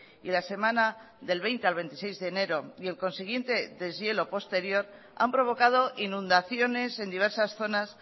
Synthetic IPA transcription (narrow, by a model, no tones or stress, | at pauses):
ilase̞mãna | ðe̞lβe̞jnt̪e̞alβ̞e̞nt̪isejzðe̞ːne̞ɾo̞ie̞lko̞nsiɣ̞je̞nt̪e̞ðe̞zje̞lo̞po̞st̪e̞ɾjo̞ɾ | a̰mpɾo̞βo̞kað̞o̞ʔinũnd̪aθjo̞ne̞se̞nd̪iβ̞e̞ɾsasθo̞nas